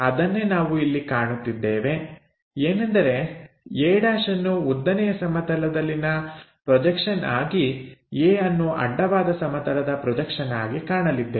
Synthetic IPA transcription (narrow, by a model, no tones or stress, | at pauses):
ɐd̪ɐnːe̞naːʋuilːikaːɳut̪ːid̪ːeːʋe̞ | eːnɐnd̪ɐɾe̞ | jeːɽaːʂɐnːuud̪ːɐnɛjɐsɐmɐt̪ɐlɐd̪ɐlːinɐpɾɔd͡ʒɐkʂɐna̰ːɡieːɐnːuʔɐ̰ɖːɐʋaːd̪ɐsɐmɐt̪ɐlɐd̪ɐpɾɔd͡ʒɐkʂɐna̰ːɡikaːɳɐlid̪ːe